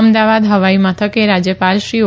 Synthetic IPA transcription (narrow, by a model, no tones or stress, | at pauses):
md̪aʋad̪ɦəʋaimət̪ʰəkeɾad͡ʒjəpalʃɾio